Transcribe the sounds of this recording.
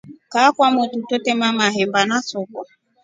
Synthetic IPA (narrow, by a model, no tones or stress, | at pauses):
kakwamɔtutɔtɛmamaɦɛmbanasɔkɔ